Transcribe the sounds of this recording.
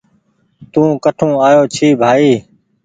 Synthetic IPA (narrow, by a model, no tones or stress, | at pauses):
t̪ũːkəʈʰũːaːjoːt͡ʃʰiːbʱaːiː